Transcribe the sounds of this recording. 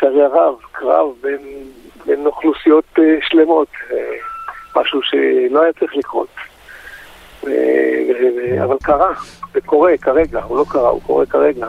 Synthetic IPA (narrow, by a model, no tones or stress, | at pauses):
kaʁeaʁavkʁa̰vbenbenoχlusijo̞t̪eʃle̞mo̞t̪emaʃuʃḛlo̞ajat͡sʁiχlikʁo̞̰t̪ | vḛvevea̰valkaʁavekʰo̞ʁekaʁe̞ɡaulo̞kaʁa̰ṵko̞ʁekaʁeɡa